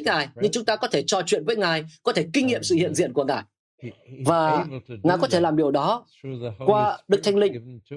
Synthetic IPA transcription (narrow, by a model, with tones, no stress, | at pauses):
ŋaː˨˩jɲɨ˧ŋt͡ɕʊ˨˦ŋ͡mt̪aː˧kɔ˨˦t̪ʰe˧˩t͡ɕɔ˧t͡ɕwḭ˧˨ənvəː˨˦jŋaː˨˩jkɔ˨˦t̪ʰe˧˩kï˧ŋ̟ŋḭ˧əmsɨ̰˧˨hḭ˧ənzḭ˧˨ənku˧˩əŋaː˨˩j | vaː˨˩ŋaː˨˩kɔ˨˦t̪ʰe˧˩laː˨˩mɓi˧˩əwɗɔ˨˦ | kwaː˧ɗɨ˨˩k̚t̪ʰjŋ̟lï˧ŋ̟